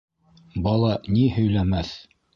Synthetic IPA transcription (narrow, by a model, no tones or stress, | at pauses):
bɑlˠɑnihɵ̆jlæmæθ